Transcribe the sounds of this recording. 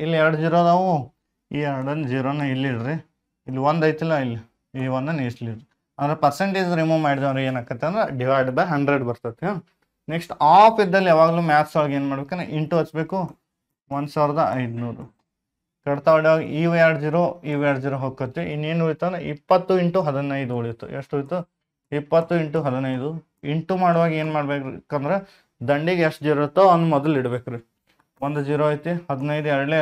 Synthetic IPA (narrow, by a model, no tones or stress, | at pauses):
ilːɛɾɐɽud͡ʒiːɾoːd̪ɐʋu | iːɛɾɐɽɐnd͡ʒiːɾoːnːɐilːiɽɾi | ilːiʋond̪ɐjt̪ilːɐilːi | iʋɐnd̪ɐniːsliɖɾi | ɐnd̪ɐɾepɐɾseɳʈeːd͡ʒɾimuːmɐjɖd̪ɐnɾeːnaːkːɐt̪ːeɐnd̪ɾeɖiʋajɖbɐɦɐɳɖɾeɖbɐɾt̪ɐt̪ːa | neksʈaːpʰid̪ːɐlːiaːʋaːɡɐluːmaːt̪saːlɡeːnmaːɽbekɐnḛʔiɳʈuɦɐt͡ʃːbe̞ːku | ʋɐnd̪saːʋɾɐd̪ɐɐjd̪nuːɾu | kɐɽt̪aɐɽiʋaːɡḭʔiːʋjaːɽd͡ʒiːɾoːiːʋjaːɖd͡ʒiːɾoːɦoːkːɐt̪ːiinːeːnujit̪ːɐnɾeipːɐt̪ːuiɳʈuɦɐd̪inɐjd̪uoɭijut̪ːṵeʂʈojt̪ːu | ipːɐt̪ːuiɳʈuɦɐd̪inɐjd̪u | iɳʈumaːɽʋaːɡe̞ːnmaːɽbeːkɐnd̪ɐɾe | d̪ɐɳɖiɡeeʂʈd͡ʒiɾt̪ːoɐnːumɔd̪ɐliɽbeːkɐɾi | ʋond̪ud͡ʒiːɾoːɐjt̪ihɐd̪inɐjd̪uɛɾɐɽle